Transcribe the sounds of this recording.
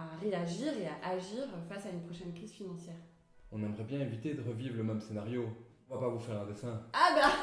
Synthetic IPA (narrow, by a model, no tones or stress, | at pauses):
aʁeaʒiʁeaʔaʒiʁfasaynpχɔʃɛnkχizfinɑ̃sjɛːʁ | ɔ̃nɛmʁɛbjɛ̃evit̪ed̪əʁəvivʁləmɛmsenaʁjõ | vapavufɛʁɛ̃d̪esɛ̃aba